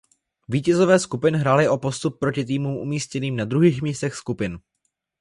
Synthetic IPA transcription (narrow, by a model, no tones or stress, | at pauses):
viːcɛzo̞vɛːskupɪnɦɾaːlɪʔo̞po̞st̪up̚ːɾo̞cɪt̪̬iːmuːmʔṵmiːscɛniːmnad̪ɾuɦiːxmiːst̪ɛxskupɪn